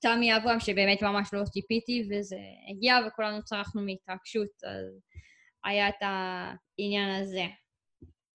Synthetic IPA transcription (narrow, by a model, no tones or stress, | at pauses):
t̪amiavuamʃebe̞ːme̞tmamaʃlo̞tipitivezḛḛɡiavekulanut͡saʁaχnumeitʁaɡ̥ʃuta̰z | a̰jaeta | injanaze̞